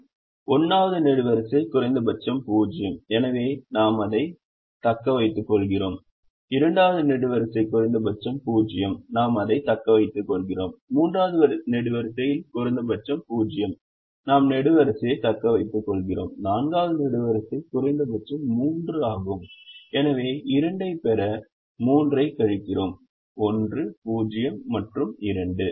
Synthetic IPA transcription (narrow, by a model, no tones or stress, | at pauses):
ɔnːaːʋɐðɯnɛɽɯʋɐɾɐsɐɪkʊrɐɪnd̪ɐbɐt͡ʃːɐmpuːd͡ʒɪjɐmɛnɐʋeːnaːmɐðɐɪ | t̪ɐkːɐʋɐɪt̪ːɯkːɔɭɣɪroːm | ɪɾɐɳɖaːʋɐðɯnɛɽɯʋɐɾɐsɐɪkʊrɐɪnd̪ɐbɐt͡ʃːɐmpuːd͡ʒɪjɐmnaːmɐðɐɪt̪ɐkːɐʋɐɪt̪ːɯkːɔɭɣɪroːmːuːndraːʋɐðɯʋɐɾnɛɽɯʋɐɾɐsɐjɪlkʊɾɐɪnd̪ɐbɐt͡ʃːɐmpuːd͡ʒɪjɐm | naːmnɛɽɯʋɐɾɐsɐjɐt̪ɐkːɐʋɐɪt̪ːɯkːɔɭɣɪro̰ːmnaːnɡaːʋɐðɯnɛɽɯʋɐɾɐsɐɪkʊɾɐnd̪ɐbɐt͡ʃːɐmːuːndrɯaːɣɯmɛnɐʋeːʔɪɾɐɳɖɐɪpɛɾɐ | muːndrɐɪkːɐɻɪkːɪroːm | ɔndrɯpuːd͡ʒɪjɐmːɐʈrɯmɪɾɐɳɖɯ